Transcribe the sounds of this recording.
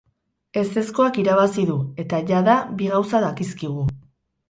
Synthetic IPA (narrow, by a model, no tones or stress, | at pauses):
e̞se̞sko̞akiɾaβasiðue̞t̪aʝaðabiɣawsaðakiskiɣ̞u